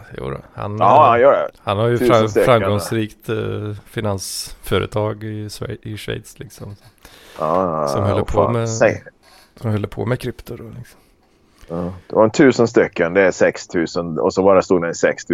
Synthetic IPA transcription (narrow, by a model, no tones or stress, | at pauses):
jṵːɾɔ̰ha̰njɔɛ̰hanhaɾjəfaɾamːɡɔŋsɾiːkt̪fɪnansfœɾə̰t̪ʰɑːɡɪɪʂvɛ̰jt̪slɪksɔmsɔmɑːsɔmhœlːpʰomɛ | sɔmhœlːəpʰo̰ːmɛkʰɾʏpt̪ʊd̪ɔlɪksɔ̥m | ɑd̪̥ɛvaɾɛnt̪ʰʉ̟ːsənst̪ʏkːənd̪ɛæsɛkst̪ʰʉ̟ːsənɔ̰sɔbɑːɾast̪uːd̪d̪ɛnɪsɛkst̪ʰː